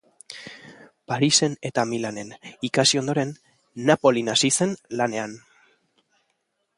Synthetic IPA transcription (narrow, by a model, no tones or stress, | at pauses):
paɾise̞ne̞t̪amilane̞nikasio̞nd̪o̞ɾe̞nː | apo̞linasise̞nlane̞an